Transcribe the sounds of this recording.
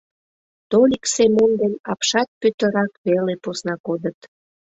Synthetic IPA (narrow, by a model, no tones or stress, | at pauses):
t̪olʲiksemond̪enɑpʃɑt̪̚pyt̪əɾɑkβeleposnɑkod̪ət̪